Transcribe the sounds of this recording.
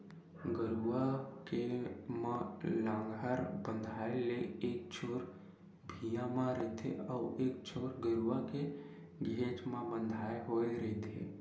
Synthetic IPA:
ɡəɾuakemãlãːŋɡaɾbə̃nd̪ʱaːeleeːk̚t͡ʃʰoːɾ | bʱijãmãɾət̪ʰḛɔːeːk̚t͡ʃʰoːɾɡəɾuake | ɡʱeːt͡ʃmãbə̃nd̪ʱaːeɦoːeɾət̪ʰḛː

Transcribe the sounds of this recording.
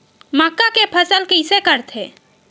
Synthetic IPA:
makːakepʰəsəlkəɪsekəɾt̪ʰe

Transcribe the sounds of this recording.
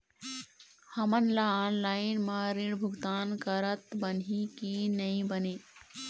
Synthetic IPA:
həmənlaːnlaːɪnmaɾiɽbʱʊɡt̪aːnkəɾət̪bənikinɐĩbəne

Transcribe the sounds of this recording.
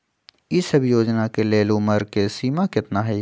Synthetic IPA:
ɪsɐbjoːd͡ʒnakeleːlʊməɾkesiːmakɪt̪naɦɛ

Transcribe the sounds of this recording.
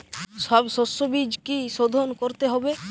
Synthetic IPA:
ʃɔbsosːobid͡ʒkiʃod̪ʱonkoɾt̪eɦɔbe

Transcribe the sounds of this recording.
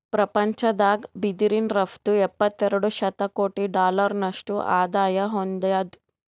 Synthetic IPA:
pɾɐpɐɲt͡ʃɐd̪aːɡbid̪iɾinɾɐfʰt̪uɛpːɐt̪ːɛɾɐɽuʃɐt̪ɐkoːʈiɖaːlɐɾnɐʂʈuʔaːd̪aːjɐɦond̪ɐjad̪

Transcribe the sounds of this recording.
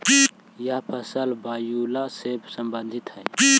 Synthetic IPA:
pi | japʰɐsəlbajulasebsəmbənd̪ʱit̪ɦəjpi

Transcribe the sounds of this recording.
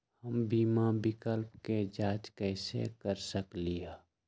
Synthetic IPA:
həmbiːmabɪkəlpked͡ʒaːd͡ʒkəɪsḛkəɾsəklia

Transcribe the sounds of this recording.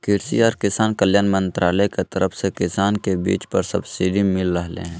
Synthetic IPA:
kɪɾsḭɔːɾkɪsaːnkəljaːnmə̃nt̪ɾʔaːləjket̪əɾəpʰsekɪsaːnkebḭːt͡ʃpəɾsɐbsiːɖimɪlɾəɦlḛ̃ɦɛ̃ː

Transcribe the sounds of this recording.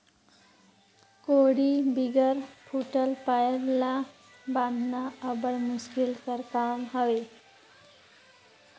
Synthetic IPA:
koɽibiɡəɾpʰuʈəlpajəɾla | bãnd̪ʱnaəbəɽmuskilkəɾkamɦəʋe

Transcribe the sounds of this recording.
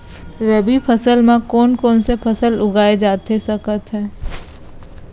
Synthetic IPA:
ɾəbipʰəsəlmẽkɔːnkɔːnsepʰəsəlʊɡaːed͡ʒaːt̪esɐkət̪ɦɛ̃ː

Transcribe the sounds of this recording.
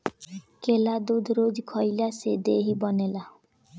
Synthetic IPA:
kelad̪ud̪ʱɾoːd͡ʒkʰɔilased̪eːɦibɔnela

